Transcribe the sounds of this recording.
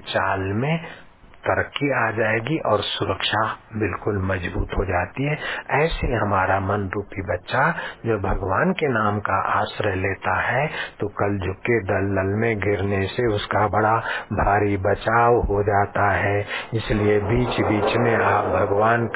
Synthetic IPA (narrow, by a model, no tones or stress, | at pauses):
t͡ʃaːlmẽ | t̪əɾəkːiaːd͡ʒaːeːɡiʔɔːɾsʊɾəkʃabɪlkʊlmɐd͡ʒbuːt̪ɦod͡ʒaːt̪iɦɛːɛːsɦiɦɐmaːɾamɐnɾuːpibɐtːʃad͡ʒobʱɐɡʋaːnkenaːmkaʔaːsɾəɦleːt̪aɦɛt̪okɐld͡ʒʱʊkːed̪ɐlːəlmẽɡʱɪɾneseʊskabɐɽabʱaːɾibət͡ʃaːwɦod͡ʒaːt̪aɦɛɪsliebiːt͡ʃbiːt͡ʃmẽaːp̚bʱɐɡʋaːnk